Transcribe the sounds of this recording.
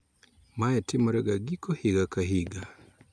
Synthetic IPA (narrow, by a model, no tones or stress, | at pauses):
maɛtɪmɔɾɛɡaɡikohɪɡakaɦiɡa